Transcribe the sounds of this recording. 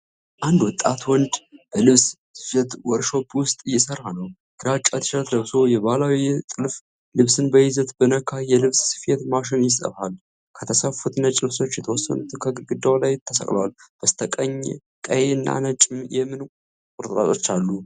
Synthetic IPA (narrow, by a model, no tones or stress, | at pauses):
ʔand̪wɔt̪ʼːat̪wɔnd͡ʒb̥əlɨβs | sɨfet̪wɔɾʃo̞bwʊst̪ʼɨjɛsərːanəw | ɡ̥ɨɾat͡ʃʼat̪ʰɨ̥ʃɾt̪ləβso̞jɛβalawit̪ʼɨlf | lɨβsɨnbəjɪzət̪bənəkʰajɛlɨβssɨ̥fet̪maʃɪnjɪsə̰βal | kʰət̪ʰəsafut̪nət͡ʃʼɪlso̞t͡ʃːjɛt̪ʰəwɔsːə̰nut̪ʰɨkʰəɡɨɡɨd̪ːawlajt̪ʰːəsə̰kʼl̰walb̥əst̪ʰəkʼəɲ | kʼəjeɨnːa̰nət͡ʃʼːɪmjɛmːɨn | kʼʊɾt̪ʼɾʼa̰t̪ʼo̞t͡ʃːalːu